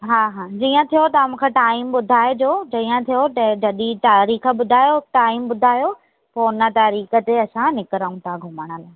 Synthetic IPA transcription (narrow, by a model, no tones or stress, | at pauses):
ɦaːɦãːd͡ʑiːə̃t̪ʰijot̪ɐɐmũkʰeʈaːɪmɓʊd̪ʱaːed͡ʑoːd͡ʑiːə̃t̪ʰijot̪ɐd͡ʑɐɗit̪aːɾiːxə̆ɓʊd̪ʱaːjoʈaːɪmɓʊd̪ʱaːjo | poːnət̪aːɾiːxə̆t̪eɐsãnɪkɪɾəũt̪ʰãɡʱʊməɽ̃ə̆laː